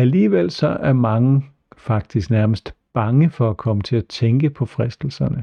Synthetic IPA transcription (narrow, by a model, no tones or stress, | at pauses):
æliːʋel̰sɒ̽ʔæɐmɑ̈ŋə | fɑ̈ɡ̥̚d̥isɡ̥næɐməsd̥b̥ɑ̈ŋəfɒ̽ækʰɒ̽mət͡sʰe̝læt͡sʰeŋɡ̥əpʰɒ̽fʁɛsd̥l̩sɐnə